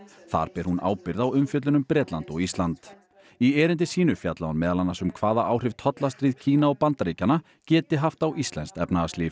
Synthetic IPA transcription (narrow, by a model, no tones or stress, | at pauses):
θa̰ɾ̥pɛɾ̥huna̰ːwpɪɾðawʏmfjœt̪lʏnʏmpɾɛːt̪lant̪ɔɣist̪lant̪ | iɛːɾɪnt̪ɪsiːnʏfjat̪laanmɛːðalanːasʏmkʰvaːðaʔawr̥ɪv̥t̪ʰɔt̪last̪ɾiːðcʰiːnaɔpant̪aɾiːcana | cɛːt̪ɪɦaft̪awist̪lɛnst̪ɛ̰pnaasliːf